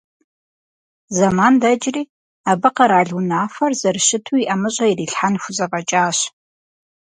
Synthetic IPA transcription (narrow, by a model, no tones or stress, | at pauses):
zɐmaːndɐd͡ʒriː | abɨqɐɾaːɮʊnaːfɐrzɐrʃɪtʰuiʔɐmɨɕʼɐiriːɬħanxʷʊzɐqʼɐt͡ʃʼaːɕ